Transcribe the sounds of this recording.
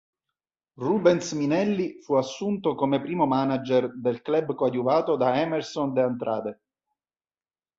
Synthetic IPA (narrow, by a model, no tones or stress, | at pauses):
rubɛnsminɛlːifuasːunt̪okomepɾiːmomanad͡ʒɛrd̪elklɛbkwad̪juvaːt̪od̪aɛmɛrsond̪eant̪ɾʔa̰ːd̪e